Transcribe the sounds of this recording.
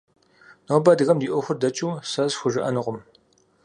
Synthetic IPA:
nowbaːdɨɣɐmdiːʔʷʊxʷʊrdɐt͡ʃʼuːsɐzxʷʊʒɨʔɐnɨʁʷʊm

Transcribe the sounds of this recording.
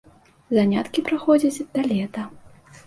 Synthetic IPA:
zanʲat̪kʲipɾaxɔd͡zʲɐt͡sʲd̪ɐlʲɛt̪ɐ

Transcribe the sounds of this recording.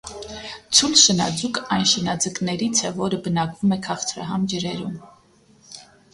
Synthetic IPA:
t͡sʰulʃənɑd͡zukɑjnʃənɑd͡zəknɛɾit͡sʰɛvɔɾəbənɑkvumɛkʰɑχt͡sʰɾɑ̰ɦɑmd͡ʒəɾɛɾum

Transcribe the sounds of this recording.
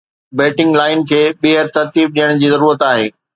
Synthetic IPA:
beːʈɪ̃ŋɡlaːɪnkʰeːɓɪɦəɾt̪ɐɾt̪iːb̚ɗijəɽ̃d͡ʑiːzɐɾuːɾət̪aːɦḛː

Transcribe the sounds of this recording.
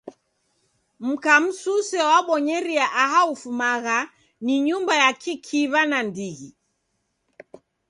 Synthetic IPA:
m̩kam̩susɛwaɓɔɲɛɾiaʔaɦaufumaɣa | niɲumbajakʰikʰiβanandiɣi

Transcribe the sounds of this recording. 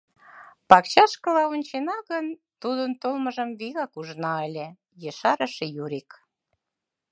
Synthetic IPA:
pɑkt͡ɕɑʃkə̆lɑunʲt͡ɕenɑɣənt̪ud̪ənt̪olməʒəmβiɣɑkuʒnɑəlʲe | jəʃɑɾə̆ʃejuɾik

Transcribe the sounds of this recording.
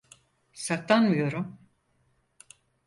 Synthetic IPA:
saklanmɯjo̞ɾum

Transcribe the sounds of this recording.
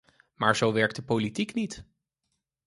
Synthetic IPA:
maːɹzowʋɛɹk̚tdəpolitiknit

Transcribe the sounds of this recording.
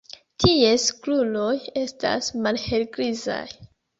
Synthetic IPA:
tʰie̞sklulo̞je̞sta̰smalhe̞lɡɾiza̰j

